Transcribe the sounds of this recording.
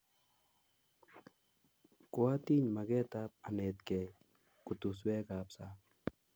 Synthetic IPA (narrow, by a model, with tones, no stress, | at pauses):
ko˦a˦t̪i˦ɲma˨ɡɛ˦t̪ap̚a˨ne˨t̪kɛ˨ | kʊ˨t̪u˨s̬wɛ˦kapsa˦